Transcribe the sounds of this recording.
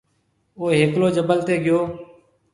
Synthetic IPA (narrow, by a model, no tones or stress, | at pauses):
oːɦeːkloːd͡ʒəbəlt̪eːɡɪjoː